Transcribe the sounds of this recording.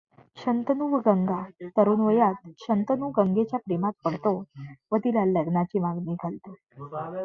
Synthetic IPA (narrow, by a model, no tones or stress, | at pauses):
ɕənt̪ənuʋɡəŋɡat̪əɾuːnʋəjat̪̚ɕənt̪ənuɡəŋɡet͡ɕjapɾemat̪̚pəɽ̤t̪oʋət̪ilaləɡnat͡ɕiːmaɡniːɡʱalt̪e